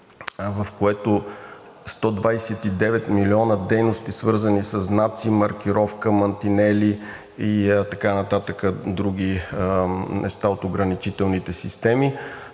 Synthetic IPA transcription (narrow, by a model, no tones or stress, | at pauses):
vəfkoɛt̪o | st̪ɔd̪vajsɛt̪id̪ɛvɛt̪miliɔnəd̪ɛjnost̪isvɤɾzənisəsnat̪simɐɾk̟iɾɔfkəmɐnt̪inɛli | it̪ɐkanɐt̪at̪əkəd̪ɾuɡ̟ʲi | nʔɛ̰st̪aot̪oɡɾɐnit͡ʃit̪ɛlˠnit̪ɛsist̪ɛmi